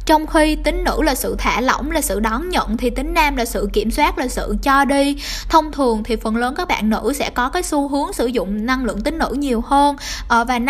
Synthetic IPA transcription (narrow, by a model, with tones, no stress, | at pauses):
t͡ɕɔ˧wŋ͡mxi˧t̪ï˨˦ŋ̟nɨ̰˧˥laː˨˩sɨ̰˧˨t̪ʰaː˧˩lo̰˧˩wŋ͡mlaː˨˩sɨ̰˧˨ɗɔ˨˦nɲə̰˧˨nt̪ʰi˨˩t̪ï˨˦ŋ̟naː˧mlaː˨˩sɨ̰˧˨ki˧˩əmswaː˦˥t̚laː˨˩sɨ̰˧˨t͡ɕɔ˧ɗi˧ | t̪ʰə˧wŋ͡mt̪ʰɨ˨˩əŋt̪ʰi˨˩fə˨˩nləː˨˦nkaː˦˥k̚ɓa̰ː˧˨nːɨ̰˧˥sɛ̰˧˥kɔ˨˦kaː˨˦jsu˧ɦɨ˨˦əŋsɨ˧˩zʊ̰˧˨ŋ͡mna˧ŋlɨ̰˧˨əŋt̪ï˨˦ŋ̟nɨ̰˧˥ɲi˨˩əwhəː˧nʔəː˧˩vaː˨˩n